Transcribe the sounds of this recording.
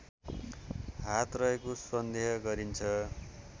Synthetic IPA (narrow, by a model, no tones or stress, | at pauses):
ɦat̪rʌɦekosʌnd̪eɦʌɡʌɾint͡sʰʌ